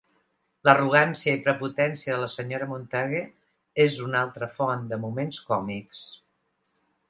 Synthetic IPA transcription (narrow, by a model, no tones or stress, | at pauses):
ləruɣ̞ansiəipɾəput̪ɛnsiəðələsəɲoɾəmunt̪aɣe | ezunalˠt̪ɾəfɔnd̪əmumenskɔmiks